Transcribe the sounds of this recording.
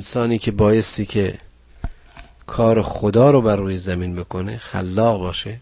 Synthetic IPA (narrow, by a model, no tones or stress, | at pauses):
ensɒːniːkʰebɒːjest̪iːkʰe | kʰɒːɾexod̪ɒːɾobærːuːjezæmiːnbe̞kʰonexæ̰lːɒːɣbɒːʃe